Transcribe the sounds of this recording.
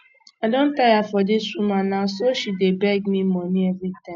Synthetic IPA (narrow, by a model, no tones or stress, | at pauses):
adõn̩tajafɔdɪsumanasoʃidebɛɡmĩmɔnĩevitã